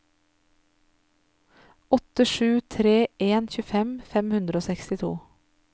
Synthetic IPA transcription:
ɔt̪əʃʉːt̪ʰɾeːʔeːnçʉːfɛmfɛmhʉnd̪ɾəoːsɛkst̪ɪt̪ʰṵː

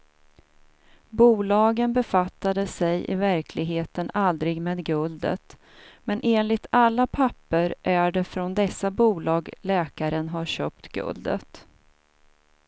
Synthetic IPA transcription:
buːlɑːɡənbɛfat̪ːad̪əsɛjʔɪ̰væɾkʰlɪɡɦeːt̪ənald̪ɾɪɡmeːd̪ɡɵld̪ə̰t̪ | mɛnʔeːnlɪt̪alːapʰapːəɾʔæɖɛfɾɔnd̪ɛsːabuːlɑːɡlɛːkaɾənɦaɾɕø̰ːp̚t̪ɡ̥ɵ̰ld̪ə̰t̪

